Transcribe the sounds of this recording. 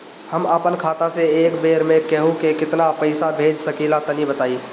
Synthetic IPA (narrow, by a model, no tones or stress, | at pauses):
hɐməpənkʰaːt̪aseeːkbeːɾmẽkɛɦũkekɪt̪napɐɪsabʱeːd͡ʒsɐkiːlat̪ɐnibət̪aːiː